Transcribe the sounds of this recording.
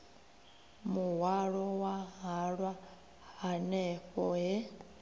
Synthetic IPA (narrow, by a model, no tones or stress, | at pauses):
muɦwaɺɔwaɦaɺwa | hanɛɸɔɦɛ